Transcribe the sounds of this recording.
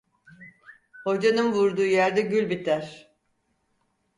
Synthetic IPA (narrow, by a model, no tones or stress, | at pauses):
ho̞d͡ʒanɯnvuɾd̪uːjæɾd̪ɛɟylʲbit̪ʰæɾ̥